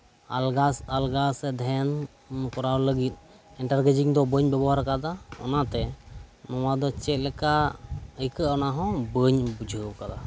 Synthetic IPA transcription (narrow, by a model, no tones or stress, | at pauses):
alɡasalɡasɛd̪ʱɛn | kɔɾawləɡit̪̚ˀ | ɛɳʈaɾɡəd͡ʒiŋd̪ɔbəɲbɛbɔɦaɾkad̪aɔ̰nat̪ɛnɔwad̪ɔt͡ʃɛt̪̚ˀlɛkaəjkəʔɔnaɦɔ̃bəɲbud͡ʒʱəwkad̪a